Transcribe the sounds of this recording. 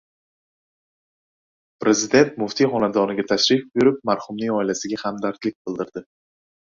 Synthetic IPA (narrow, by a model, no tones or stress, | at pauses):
pɾe̞zɪd̪e̞nt̪mʊft̪ʰijχɒnad̪ɒnɪɡʲat̪ʰaʃɾɪfbʊɾɪp̚maɾhʊmnɪŋɒɪlasɪɡʲahamd̪aɾt̪lɪk̚ʲbɪlˠd̪ɪɾd̪ɪ